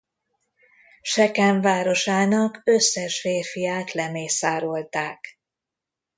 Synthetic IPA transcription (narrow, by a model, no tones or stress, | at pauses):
ʃɛkɛɱvaːɾo̞ʃaːnɒkøsːɛʃfeːrfijaːt̪lɛmeːsaːɾo̞lt̪aːk